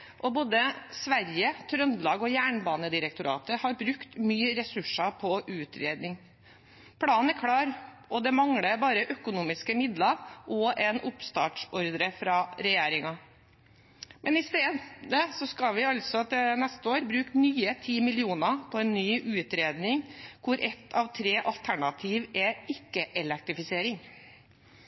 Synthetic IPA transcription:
ʔɔboːd̪əsʋæɾjət̪ʰɾœnd̪lɑːɡɔjæːɳbɑːnəd̪ɪɾək̚t̪ʊɾɑ̰ːt̪əhɑɾbɾʉkt̪myːɾɛsʉʂɑpʰɔʔʉːt̪ɾḛːd̪nɪŋ | pʰɽɑːnn̩æɾkʰɽɑːɾ | ʔɔd̪ɛmɑŋɽəbɑːɾəʔœkʊnuːmɪskəmɪd̪lɑʔɔʔɛnʊpst̪ɑ̰ːʈʂɔɾd̪ɾəfɾɑːɾɛjeːɾɪŋɑ | mʔɛnɪst̪eːdd̪əsɔskɑlʋɪɑlsɔt̪ɛnɛst̪əoːɾbɾʉːknyːət̪ʰiːmɪlɪuːnɑpʰɔɛnːyːʔʉːt̪ɾeːd̪nɪŋkʰʊɾʔɛt̪ʰːɑːʋt̪ʰɾeːʔɑlt̪ʰæɳɑt̪ʰiːʋɛɪkːəʔɛlɛk̚t̪ɾɪfɪseːɾɪŋ

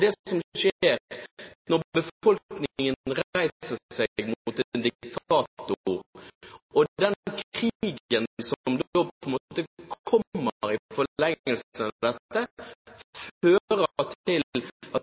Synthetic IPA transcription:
d̪ɛsɔmʃeːɾnɔʁbəfɔlknɪɪŋənɾæɪsəsɛɡmʊʊt̪ɛnd̪ɪkt̪ʰɑːt̪ʊɾ | ɔd̪ɛnkʰɾiːɡənsɔmd̪oːpɔɛnmoːt̪əkʰɔmːəɾɪfɔlɛŋːəlsənd̪ɛt̪ːə | føːɾət̪ɪlʔɑt̪

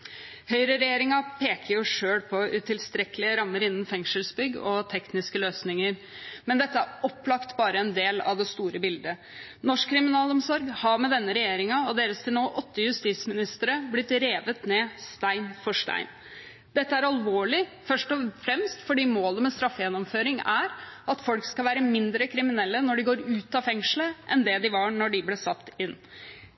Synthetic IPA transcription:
hœʏɾəɾɛjeːɾɪŋɑpʰeːkəɾjʊʂøːɽpʰɔʉt̪ʰɪlst̪ɾɛkəlɪəɾɑmːəɾɪnːn̩fɛŋʂəlsbʏɡːɔt̪ʰɛknɪskəløːsnɪŋəɾ | mɛnd̪ɛt̪ːəæɾɔpːlɑkt̪bɑːɾəɛnd̪eːlɑ̰ʋd̪ɛst̪uːɾəbɪld̪ə | nɔʂkʰːɾɪmɪnɑːlɔmsɔɾɡhɑmɛd̪ɛnːəɾɛjeːɾɪŋɑɔd̪eːɾəst̪ʰɪlnoːʔɔt̪ːəjʉst̪iːt̪smɪnɪst̪əɾəblɪt̪ɾeːʋət̪neːst̪æɪnfɔʂʈæ̰ɪn | d̪̥ɛt̪ːəæɾɑlʋoːɭɪfœʂʈɔfɾɛmst̪fɔɖiːmoːləmɛst̪ɾɑfːəjɛnːɔmføːɾɪŋæɾɑt̪fɔlkskɑlʋæːɾəmɪnd̪ɾəkʰɾɪmɪnɛlːənɔɖɪɡoːɾʉːt̪ɑfɛŋʂləʔɛnd̪ɛd̪ɪʋɑɳɔɖɪblɛsɑt̪ːɪnː

